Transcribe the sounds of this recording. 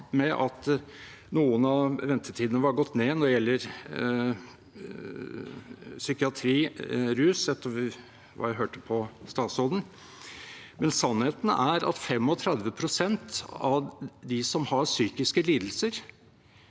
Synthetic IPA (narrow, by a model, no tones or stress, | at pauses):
mɛʔɑt̪ | nuːənɑʋɛnt̪ʰəʈʰiːd̪ənəʋɑɾɡɔt̪ːneːnɔɖɛjɛlːəɾ | sʏkɪɑt̪ʰɾiːɾʉːsɛt̪ːəɾ | ʋɑ̰ːjæɪɦøːʈəpʰɔst̪ɑːt̪sɔd̪ən | mɛnsɑnheːt̪næɾɑ̰t̪fɛmɔt̪ʰɾɛd̪ʋəpʰɾʊsɛnt̪ɑd̪ɪsɔmhɑɾsyːkɪskəliːd̪l̩səɾ